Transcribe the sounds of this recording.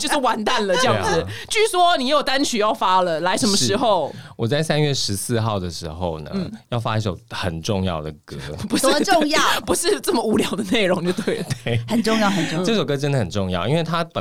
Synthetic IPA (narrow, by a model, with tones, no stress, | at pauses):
t͡ɕjo˥˧ʊʂɻ̩˥˩wa˧˥nt̪a˥˩nlə˨ə˥˧jɑ˥˩ŋ̩˩t͡ɕy˥˩ʂwɔ˦ni˨jjo˨˩ʊt̪a˥nt͡ɕʰy˨˩jɑ˥˩ʊfa˥lə˨la˧˥ɪʂə˧˥nmə˧˦ʂɻ̩˧˥xo˥˨ʊwʔɔ˨˩t͡sa˥˩ɪsa˦nɥɛ˥˩ʂɻ̩˧˦sɹ̩˥˧xɑ˥˩ʊd̪ə˩ʂɻ̩˧˥xo˥˩ʊnə̰˩˥˩jɑ˥˩ʊfa˦i˧˩ʂo˨˩ʊxə˨˩nʈ͡ʂʊ˥˧ŋjɑ˥˩ʊd̪ə˩kɤ˦˥pu˧˥ʂo˥˧ŋjɑ˥˩pu˧˥ʂɻ̩˥˧t͡sə˥˩mə˩u˧˥ljɑ˨˩ʊd̪ə˩ne˥˩ɪɻo˧˥ŋ˨o˥˧˩t̪ʰwe˥˩ɪ˨t̪we˥˩ɪhə˨˩nʈ͡ʂʊ˥˧ŋjɑ˥˩ʊhə˨˩n˥ʈ͡ʂə˥˧ʂo˨˩ʊkɤ˦˥ʈ͡ʂə˧˦nd̪ə˨hə˨˩nʈ͡ʂʊ˥˧ŋjɑ˥˩ʊʔḭ˦˥nwe˥˩ɪt̪ʰa˦˥pə˨